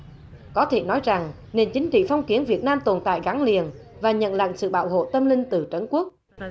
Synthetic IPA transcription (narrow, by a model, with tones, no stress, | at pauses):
kɔ˨˦t̪ʰe˧˩nɔ˨˦jza˨˩ŋ | ne˨˩nt͡ɕi˨˦ŋ̟t͡ɕḭ˧˨fɔ˧wŋ͡mki˨˦ənvi˨˩ət̚naː˧mt̪o˨˩nt̪a̰ː˧˨jɣa˨˦ŋli˨˩ənvaː˨˩ɲə̰˧˨nlə̰˧˨ŋsɨ̰˧˨ɓa̰ː˧˨wɦo̰˧˨t̪ə˧mlï˧ŋ̟t̪ɨ˨˩t͡ɕə˨˦nku˦˥ək̚